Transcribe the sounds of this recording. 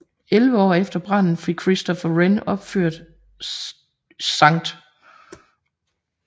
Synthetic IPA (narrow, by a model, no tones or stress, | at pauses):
elʋəɒ̰ːefd̥ɐb̥ʁɑn̰n̩fikʰʁisd̥ɒfæʁenɒ̽b̥føɐ̰d̥ | sɑ̈ŋ̰d̥